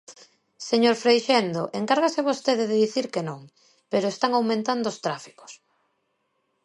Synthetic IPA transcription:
seɲoɾfɾejʃend̪oʔeŋkaɾɣaseβost̪eðeðeðiθiɾkenõŋ | peɾoest̪aŋawmẽnt̪and̪oːst̪ɾafi̥ko̥s

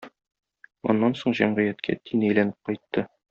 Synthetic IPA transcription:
ɒ̰nːɑnsoɴʑæmʁɤ̆jæt̪kʰæ̰t̪ʰinæjlænɘp̚qɒjt̪ːɤ

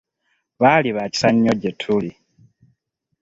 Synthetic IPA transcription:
βaliβaci̥saɲːoɟetʰuli

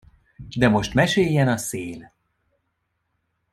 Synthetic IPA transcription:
d̪ɛmo̞ʃt̪mɛʃeːjːɛnɒseːl

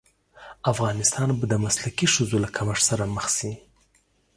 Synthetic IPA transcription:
afɣɑnɪst̪ɑnbad̪əmaslakiʃəzolakʰamaʂsaɾaməxsi

